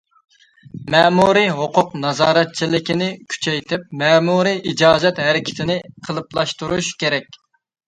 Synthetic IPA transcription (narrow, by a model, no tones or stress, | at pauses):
mɛmuɾiɦoqʰʊqnɑzɑːɾɛt̪̚t͡ʃʰilɪkʲinɪkʲʰy̥t͡ʃʰɛjt̪ʰɪp̚mɛmuɾiʔid͡ʒɑːd͡ʒɛt̪ɦæɾɪkʲʰɪ̥t̪ʰɪnɪqʰəlˠɨplˠɑʃt̪uɾuʃkʲeɾɛkʲ